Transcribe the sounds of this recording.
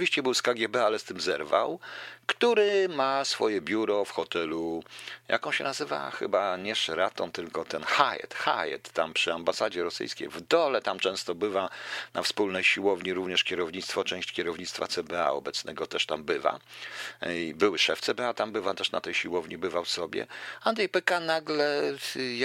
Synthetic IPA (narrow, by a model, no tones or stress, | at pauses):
viɕt͡ɕɛbɘwskaɡʲjɛbɛalɛst̪ɘmzɛɾva̰wkt̪uɾɘmasfɔjɛbʲjuɾɔfxɔt̪ɛlujʔa̰kɔ̃w̃ɕɛ̰nazɘva̰xɘ̰baɲɛʂɛɾat̪ɔmt̪ɘlkɔt̪ɛnxajɛ̰t̪xajɛ̰t̪ːampʂɘambasad͡ʑɛɾɔsɘ̰jskʲḛjvd̪ɔlɛt̪amt͡ʂɛ̃st̪ɔbɘvanafspulnɛjɕiwɔvɲiɾuvɲɛʂkʲɛɾɔvɲit̪st̪fɔt͡ʂɛ̃w̃ɕt͡ɕkʲɛɾɔvɲit̪st̪fa̰t̪sɛbɛa̰ɔ̰bɛt̪snɛɡɔt̪ɛʂt̪ambɘva̰ | bɘwɘʂɛft̪sɛbɛat̪ambɘvat̪ɛʂna̰t̪ɛjɕiwɔvɲibɘvafsɔbʲjɛ̰and̪ɾɛjpɛkanaɡlɛ